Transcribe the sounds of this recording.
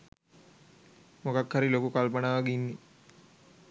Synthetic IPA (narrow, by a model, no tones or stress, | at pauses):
mokakhaɾilokukalpənaːʋaɡinːi